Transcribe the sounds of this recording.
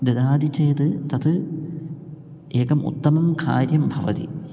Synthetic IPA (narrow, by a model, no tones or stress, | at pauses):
d̪ed̪aːd̪ʱit͡ɕeːd̪ɨt̪ɐd̪ɨ | eːkɐmʔṵt̪ːɐmɐmka̰ːɾjɐmbʱɐʋɐ̰d̪ḭ